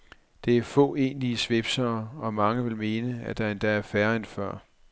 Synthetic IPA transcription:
d̥e̝æɐfɔ̰̽ːe̝̰ːnliəsʋe̝b̥sɐːɒ̽mɑ̈ŋəʋe̝lme̝ːnəæd̥æ̈end̥ææɐfæɐæn̥fɶɐ̰

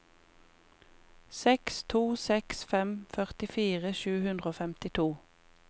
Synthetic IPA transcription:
sɛkst̪ʰuːsɛksfɛmfœʁt̪ɪfiːʁəʃʉːhʉnd̪ʁəoːfɛmt̪ɪt̪ʰuː

